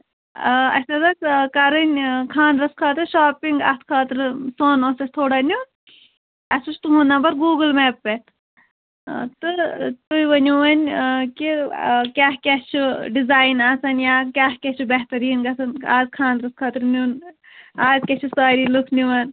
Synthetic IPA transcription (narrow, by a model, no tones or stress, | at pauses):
ɐ̰sɐzɐskɐɾɨnʲkʰaːnd̪ɾɐskʰɐːt̪ɨɾʃaːpiŋɡɐ̰t̪ʰkʰaːt̪ɾsoːnosɐsʰʲt̪ʰoːɽɐːnʲu | ɐsut͡ʃʰt̪umunabɐɾɡuːɡɨlmeːpːe | t̪ɨt̪ujʋɐnʲuʋɐnʲkikʲaɦkʲest͡ʃʰuɖizaːjnɐsɐnjakʲaːhkʲet͡ʃʰubɐɦt̪ɐɾiːnɡɐsʰɐnaːzkʰaːnd̪ɾɐskʰɐːt̪ɾnun | aːzkʲet͡ʃʰusaːɾiːlukʰniʋɐn